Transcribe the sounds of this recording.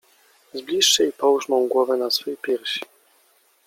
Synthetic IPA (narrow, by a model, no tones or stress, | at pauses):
zblʲiʂːɛipɔwʐmɔ̃w̃ɡwɔvɛnasfɛjpʲjɛɾɕi̥